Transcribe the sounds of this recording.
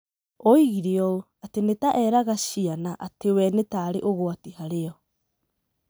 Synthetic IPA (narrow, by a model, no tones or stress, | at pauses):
oiɣiɾeɔo | atenetaʔɛɾaɣaɕianaʔatewɛnetaɾeʔoɣoatihaɾeɔ